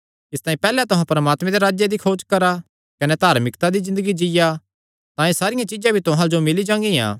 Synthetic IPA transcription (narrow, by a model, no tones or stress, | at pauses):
ɪst̪ãːĩpɛːlɛt̪ʊɦãpɐɾəmaːt̪mɛ̃d̪eɾaːd͡ʒjed̪ikʰoːd͡ʒkɐɾa | kɐnɛt̪aːɾmɪkt̪ad̪izɪ̃nd̪əɡid͡ʒɪja | t̪ãːĩsaːɾɪjãt͡ʃɪd͡ʒãbʱit̪ʊɦãd͡ʒomɪlid͡ʒãːŋɡijã̰ː